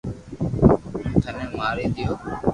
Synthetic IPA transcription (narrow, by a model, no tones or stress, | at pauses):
t̪ʰənẽːmaːɾeːd̪ɪjoː